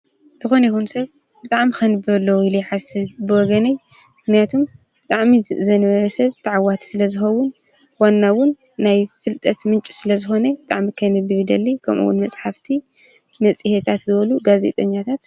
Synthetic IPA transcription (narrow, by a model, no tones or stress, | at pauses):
t̪ʰɨxo̞nɐjixunsɐβ | b̥ɨt̪ʼaʕmikʰɐnɨbɐlːɐwɪlujħasɨβbɨwɔɡɐnɐj | mɨxnijat̪ʰum | bɨt̪ʼaʕmizɐnβɐɾɐsɐβt̪ʰɐʕawat̪ʰsɨlɐzɨxɐwːʊn | wanːawʊnː | ajfɨlt̪ʼɐt̪mɨnt͡ʃʼi̥sɨlɐzɨxo̞nɐbɨt̪ʼaʕmikʰɐnɨbɨβɨd̪ɐlːikʰɐ̰mʔṵwʊ̰nmɐt͡sʼħaft̪ʰi | mɐt͡sʼɨhet̪ʰat̪zɨβɐluɡazḛt̪ʼɐɲːat̪ʰat̪